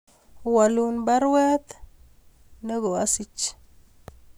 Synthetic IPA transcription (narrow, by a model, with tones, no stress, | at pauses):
wa˨lu˦nba˦ɾwɛ˦t̪ | nə˦ɡo˨a˦si˦t͡ʃ